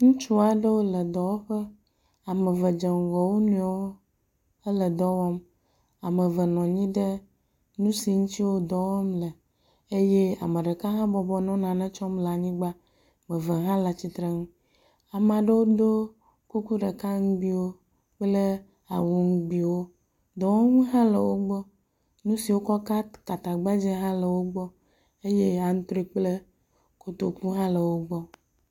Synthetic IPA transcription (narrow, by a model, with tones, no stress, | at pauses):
ŋũ˦t͡ʃu˦a˨ɖə˦wo˦lə˨d̪ɔ˨wo˦ɸə˦ | a˨mə˨və˨d͡ʒe˨ŋ˨ɣɔ˨wo˦nũ˦a˨˦wo˦ | ə˦lə˨d̪ɔ˦wɔ˦m | a˨mə˨və˨nɔ̃˨ɲĩ˦ɖə˦ | nũ˦si˨ŋũ˦t͡ɕ̪i˦wo˦d̪ɔ˨wɔ˦mlə˨ | e˦je˦a̰˨me˨ɖe˨ka˦ɦã˦bɔ˨bɔ˨nɔ̃˦nã˨nɛ̃˦t͡ʃɔ˦mla˨ɲĩ˦ɡ͡ba˦ | mẽ˨və˨ɦã˦la˨t͡ɕi˨t̪ɾe˦ŋũ˦ | a˨m˨ã˨ɖe˦wo˦d̪o˦ | ku˦ku˦ɖe˨ka˦ŋũ˦bi˦wo˦ | k͡ple˦ | a˨wu˨ŋu˦ɡ͡bi˨wo˦ | d̪ɔ˨wɔ˦ŋũ˦ɦã˦lḛ˨wo˦ɡ͡bɔ˦ | nũ˦si˨wo˦kɔ˦ka˦ka˨t̪a˨ɡ͡ba˦d͡ʑɛ˦ɦã˦le˨wo˦ɡ͡bɔ˦ | e˦je˦a˨ŋũ˦t̪ɾi˦k͡ple˦ | ko˦t̪o˦ku˦ɦã˦le˨wo˦ɡ͡bɔ˦